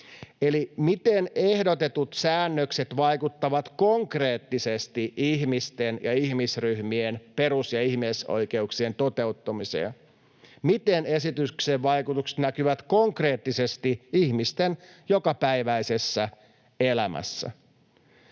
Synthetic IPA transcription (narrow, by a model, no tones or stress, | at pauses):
elimit̪enehdot̪e̞t̪ut̪sæːnːøkset̪ʋɑikut̪ːɑʋɑt̪koŋkre̞ːt̪ːisest̪iʔiɦmist̪enjɑihmisryhmienpeɾusjɑihmeso̰ike̞uksient̪ot̪e̞ut̪ːɑmisḛː | mit̪enesit̪ykseʋʋɑikut̪ukse̥t̪nækyʋæt̪ko̞ŋkre̞ːt̪ːisest̪iihmist̪enjokɑpæiʋæisesːæ | elæmʔæ̰sːæ̰